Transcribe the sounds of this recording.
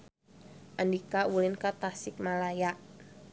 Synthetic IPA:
ʔandikawulinkat̪asɪk̚malaja

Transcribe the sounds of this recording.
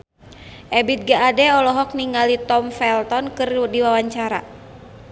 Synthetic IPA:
ʔɛbit̪̚ɡaʔːdɛɔlɔɦɔk̚niŋalit̪ɔmfɛlt̪ɔnkɨrdiwawaɲt͡ʃaɾa̰

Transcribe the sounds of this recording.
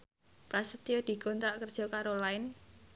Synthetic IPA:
pɾasət̪ijod̪̥i̤ɡ̥ont̪ɾaʔkərd̥ʒ̥ɔ̤kaɾolaɪn

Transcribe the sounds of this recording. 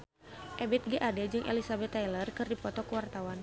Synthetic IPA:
ʔɛbɛt̪̚ɡiʔadɛd͡ʒɨŋʔḛlisabɛt̪ːajlərkɨrdipɔt̪ɔkəwart̪awan

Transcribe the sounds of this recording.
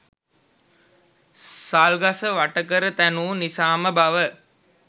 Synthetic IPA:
saːlɡasəʋaʈəkəɾət̪ænuːnisaːməbaʋə

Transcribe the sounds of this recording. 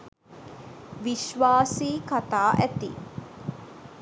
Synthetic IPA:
ʋiʃʋaːsiːkat̪aːʔæt̪ḭ

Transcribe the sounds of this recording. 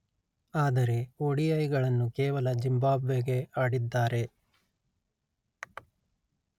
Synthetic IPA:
aːd̪ɐɾe̞oɽijɐjɡɐɭɐnːukeːʋɐlɐd͡ʒimbaːbʋeɡeaːɽid̪ːaːɾe̞

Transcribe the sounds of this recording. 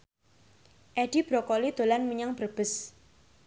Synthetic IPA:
ʔɛɖ̥ib̥ɾɔkɔlid̪̥o̤lanməɲaŋb̥ərb̥əs

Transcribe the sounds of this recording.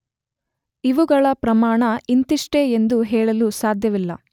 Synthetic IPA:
iʋuɡɐɭɐpɾɐmaːɳɐint̪iʂʈeend̪uɦɛːɭɐlusaːd̪ʱjɐʋilːɐ̰

